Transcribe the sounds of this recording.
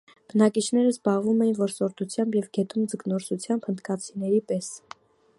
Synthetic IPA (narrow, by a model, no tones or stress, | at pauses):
b̥ənɑkit͡ʃʰnɛɾəzbɑʁvumɛjinvɔɾsɔɾt̪ut͡sʰjɑmbjɛvɡɛt̪ʰumd͡zəknɔɾsut͡sʰjɑmbhənt̪kɑt͡sʰinɛɾipɛs